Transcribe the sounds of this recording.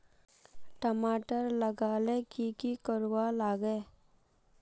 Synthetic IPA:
ʈəmaːʈəɾləɡaːlekikikəɾwalaːɡe

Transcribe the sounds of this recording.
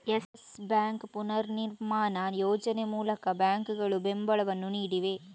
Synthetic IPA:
ɛsbaːŋkpʊnɐɾnɪɾmaːnaːnjoːd͡ʒɐnemuːlɐkːɐbaːŋkɯɣɐɭɯbɛmbɐɭɐʋɐnʊniːɽiʋeː

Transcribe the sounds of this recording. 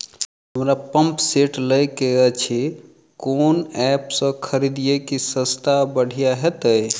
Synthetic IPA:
ɦəmɾapəmpseʈləjkeət͡ʃʰi | konɛpsə̃kʰəɾid̪ijekisə̃st̪ʰabəɽ̤ʱijaɦet̪əj

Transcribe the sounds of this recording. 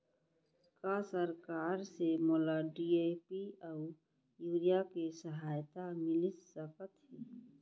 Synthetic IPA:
kasəɾkaːɾsemoːlaɖiːepiaʊ | juːɾijakesəɦaːjt̪amɪlɪssəkət̪ɦiː

